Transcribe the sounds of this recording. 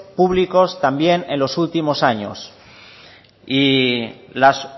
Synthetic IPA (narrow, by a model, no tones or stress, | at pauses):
puβliko̞st̪ambje̞nẽnlo̞sult̪imo̞saɲo̰s | i | las